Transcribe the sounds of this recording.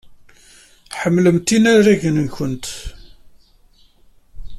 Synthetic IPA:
ħəmːləmt̪inæɾæʝənçənt̪

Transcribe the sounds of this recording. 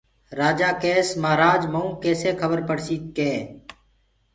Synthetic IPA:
ɾaːd͡ʒaːkeːsmaːɾaːd͡ʒməũːkeːseːkʰəbəɾpəɽsiːk̪̚keː

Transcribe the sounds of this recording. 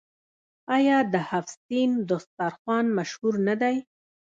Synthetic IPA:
ɑjɑd̪əhafsind̪ost̪ɑɾxwɑnmaʃhuɾnad̪aj

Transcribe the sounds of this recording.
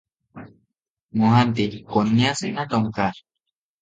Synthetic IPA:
mohant̪ikonːĩasinat̪oŋkaɾ

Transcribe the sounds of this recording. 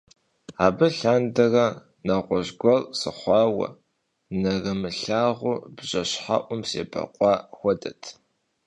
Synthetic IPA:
aːbɐɬaːndɐrɐ | naːʁʷɔʑɡʷɔrsɨχʷɑːwɐ̰ | nɐrɐmɨɬaːʁʷʊbʑɐɕħa̰ʔʷʊmsḛːbɐ̰qʷʼɑːxʷɔdʼɐtʰ

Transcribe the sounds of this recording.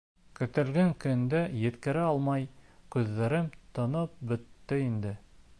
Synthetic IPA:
kɵ̆t̪ɘ̆lɡæŋkɵ̆nd̪æjɘ̆t̪kɘ̆ɾɘɑlˠmɑjkʉðːæɾɘmt̪ɤ̆nɤp̚bɵ̆t̪ːɘind̪ɘ

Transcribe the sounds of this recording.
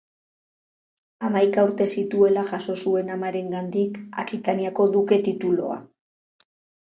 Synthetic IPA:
amajkauɾt̪e̞sit̪ue̞laʝaso̞sue̞namaɾe̞ŋɡand̪ika̰kit̪aniako̞ðuke̞t̪it̪ulo̞̰a̰

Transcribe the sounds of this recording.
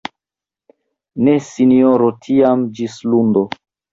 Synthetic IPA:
ne̞sinioɾotʰiamd͡ʒislundo

